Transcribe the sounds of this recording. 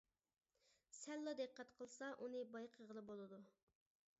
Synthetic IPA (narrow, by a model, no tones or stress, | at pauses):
sɛlˠːɑd̪eqːɛt̪qʰəlˠsɑʔunɨbɑjqʰəʁəlˠɨbolˠɨd̪u